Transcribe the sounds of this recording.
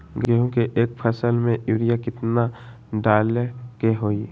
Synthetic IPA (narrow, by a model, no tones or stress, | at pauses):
ɡeɦũkeʔeːk̚pʰəsəlmẽjuːɾijakɪt̪na | ɖaːlekeɦoːi